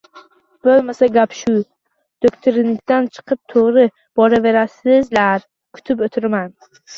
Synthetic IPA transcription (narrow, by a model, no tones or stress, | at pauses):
bolmasaɡʲapʃʊ | d̪̥okʲt̪ʰoɾɪnɪk̚ʲt̪ant͡ʃʰɨ̥qʰɨp̚t̪ʰoʁɾɪ | b̥ɒɾave̞ɾasɪzlaɾ | kʰʊ̥t̪ʰɪpot̪ʰɪɾman